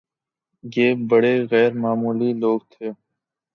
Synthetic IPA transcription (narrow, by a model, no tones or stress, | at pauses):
jeːbəɽeːɣɛːɾmaːmuːliloːɡt̪ʰeː